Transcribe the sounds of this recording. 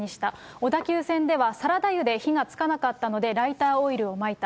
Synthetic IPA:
ɲiɕi̥t̪ao̞d̪akʲɨːsẽ̞nd̪e̞βasaɾad̪ajɯ̟d̪e̞çiŋat͡sɨ̥kanakat̪ːano̞d̪e̞ɾait̪aːo̞iɾɯ̟o̞mait̪a

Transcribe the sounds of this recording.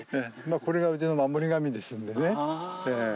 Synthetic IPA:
nemakoɾiɡabɯd͡ʑinɯnmamːuɾiɡamidwe̞s͈ɯndene̞ne

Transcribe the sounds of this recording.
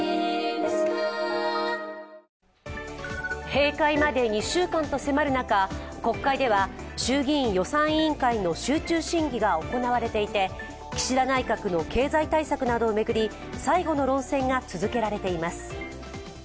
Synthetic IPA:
he̞ːkaimad̪e̞ɲ̟iɕɨːkãnt̪o̞se̞maɾɯ̟nakako̞kːaid̪e̞β̞aɕɨːɡʲĩjo̞sãɰ̃ĩŋkaino̞ɕɨːt͡ɕɨːɕĩŋɡʲiɡao̞ko̞naβ̞aɾe̞t̪e̞it̪e̞ | kʲi̥ɕid̪anaikakɯ̟no̞kʰe̞ːzait̪aisakɯ̟nad̪o̞ːme̞ɡɯ̟ɾʲi | saiɡo̞no̞ɾõ̞ɰ̃sẽ̞ŋɡat͡sɨzɨke̞ɾaɾe̞t̪e̞imasɨ̥

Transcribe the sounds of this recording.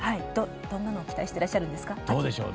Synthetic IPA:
haio | d̪̥õ̞nːanoːkʲi̥t̪aiɕi̥t̪e̞ɾaɕːaɾɯ̟̃nd̪e̞sɨ̥kad̪oːd̪e̞ɕo̞̰ː

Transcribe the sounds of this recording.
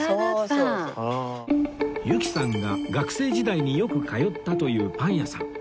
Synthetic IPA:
jɯ̟kʲi̥sãŋɡaɡakɯ̟̥se̞ːʑid̪aiɲ̟ijo̞kɯ̟kajo̞t̪ːat̪o̞jɯ̟ːpãɰ̃jasã̰ŋ

